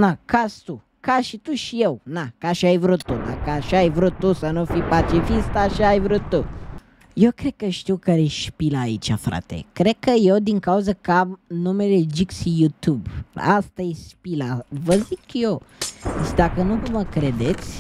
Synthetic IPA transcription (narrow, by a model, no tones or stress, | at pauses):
nakast̪u | kaʃit̪uʃijewnakaʃiajvɾut̪ːud̪a̰kəaʃaajvɾut̪ːusənufipat͡ʃifist̪aʃiajvɾut̪ːu | jewkɾeɡ̪̚kəʃi̥t̪iwkaɾeʃpilaːit͡ʃa̰fɾa̰t̪ḛkɾekəjewd̪iŋkauzəkamnumeled͡ʒiksijut̪juba̰st̪ajeʃpilavəzikjosd̪akənuməkɾed̪et̪sʲ